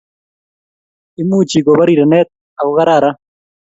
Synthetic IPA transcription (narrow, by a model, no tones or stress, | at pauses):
imuːt͡ɕiɡoβɐɾiɾɐneːt̪̚ | ɐwɣɐɾaːɾa